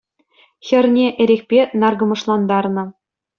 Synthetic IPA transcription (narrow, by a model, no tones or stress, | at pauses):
xʲɘ̆rʲnʲeʔɘ̆ɾʲexʲpʲenɑrɡɤ̆mɤ̆ʂlˠɑnd̪ɑrnɤ̆